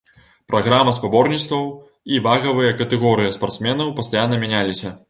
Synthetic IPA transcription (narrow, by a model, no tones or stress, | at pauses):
pɾʔɐɣɾamɐspabɔrnʲit̪st̪vɐw | ivaɣɐvɨjɐkɐt̪ɛɣɔɾɨjɐspart̪smʲɛnɐwpɐst̪ajanːɐmʲanʲalʲisʲɐ